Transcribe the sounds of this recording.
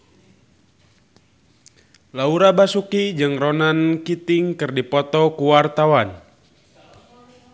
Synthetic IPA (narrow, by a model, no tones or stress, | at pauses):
lauɾabasukid͡ʒɨŋrɔnankit̪iŋkɨrdipɔt̪ɔkuwart̪awan